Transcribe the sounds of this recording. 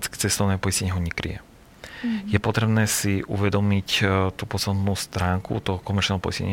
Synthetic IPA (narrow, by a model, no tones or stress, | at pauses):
t͡skɛ̥t͡sɛst̪ɔʊnɛːpɔisɲɛɲɛɦɔɲɛkɾḭjɛ̰ | jɛpɔt̪ɾɛbnɛːsiʔṵʋɛd̪ɔmict̪uːpɔsɔnuːst̪ɾaːŋkṵt̪ɔɦɔkɔmɛɾt͡ʃnɛːɦɔpɔ̰iscɛ̰ɲ